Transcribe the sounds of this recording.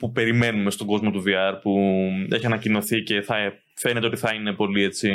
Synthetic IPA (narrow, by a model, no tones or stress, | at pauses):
pupe̞ɾime̞nume̞st̪o̞ɡo̞zmo̞t̪uviɐɾpue̞çiɐnɐcino̞θice̞θɐ | fe̞net̪eot̪iθɐine̞po̞lie̞t͡si